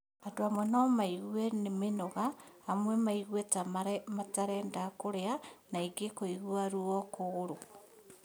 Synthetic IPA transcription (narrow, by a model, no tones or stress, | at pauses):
andoamwɛnɔmaiɣwɛnemenɔɣaamwɛmaiɣwɛtamaɾɛmataɾɛːndakoɾeanaiɡekoiɣwaɾuɔkoɣːɾo